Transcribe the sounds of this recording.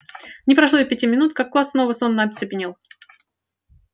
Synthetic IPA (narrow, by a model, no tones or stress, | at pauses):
nʲɪpɾɐʂlˠopʲɪtʲimʲɪnut̪kakːlˠasːnovəsonːabʲɪsʲbʲɪnʲilˠ